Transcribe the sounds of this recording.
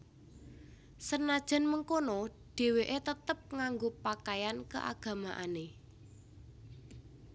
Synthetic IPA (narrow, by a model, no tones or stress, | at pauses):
sənad̥ʒ̥ɛ̤nməŋkonoɖ̥e̤weʔet̪ət̪əp̚ŋaŋɡopakajankəʔa̰ɡ̥a̤maʔane